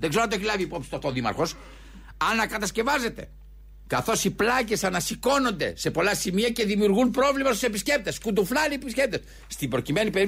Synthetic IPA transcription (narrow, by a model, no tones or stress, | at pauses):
ðeɡzeonɐt̪oçilɐviːpo̞psi̥st̪oft̪oðimɐ̰ɾxo̞s | ɐnːɐkɐt̪ɐsce̞vɐze̞t̪e̞̰ | kɐθo̞siplɐce̞sɐnɐsiko̞no̞nd̪e̞̰sepo̞lɐsimiɐce̞ðimiuɾɣunpɾo̞vlimɐst̪use̞pisce̞p̚t̪e̞skud̪uflɐlipisce̞p̚t̪e̞s | st̪ibɾo̞cime̞nipeɾi